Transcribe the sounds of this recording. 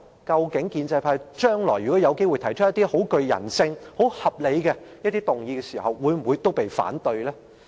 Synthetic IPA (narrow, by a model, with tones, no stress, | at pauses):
kɐ˧wkɪ˨˥ŋkiː˧nt͡sɐ˧jpʰaː˧˥jt͡ʃœː˥ŋlɔː˨˩jy˨kɔ˨˥jɐ˨˧wke˥jwu˨jt̪ʰɐ˨˩jt͡ʃʰjɐ˥t̪iː˥ho˨˥wkɵ˧ɥjɐ̰˨˩nsɪ˧ŋho˨˥whɐ˨p̚le˨˧jkɛ˧jɐ˥t̪̚iː˥t̪ʊ˨˩ŋjiː˧kɛː˧siː˨˩hɐ˨wːuː˨˧jm̩˨˩wu˨˧jt̪o˥wpe˨jfa̰ː˨˥nt̪ɵ˧ɥlɛː˥